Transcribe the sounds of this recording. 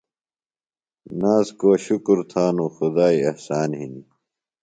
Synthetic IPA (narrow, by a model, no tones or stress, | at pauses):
naːzkoɐɕukuɾt̪ʰaːnuxud̪aːiɐhsaːnɦini